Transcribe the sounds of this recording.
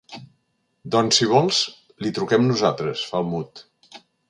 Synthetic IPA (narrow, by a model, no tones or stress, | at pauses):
d̪ɔnsiβ̞ɔlˠz | lit̪ɾukɛmnuzat̪ɾəsfalˠmut̪